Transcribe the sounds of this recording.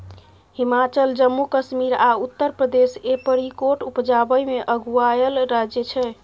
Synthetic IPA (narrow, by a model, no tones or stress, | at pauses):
himat͡ʃəld͡ʒəmːukəʃmiɾaut̪ːəɾpɾəd̪esepəɾikoʈupd͡ʒabəjmeʔəɡuajəlɾad͡ʒjət͡ʃʰɛ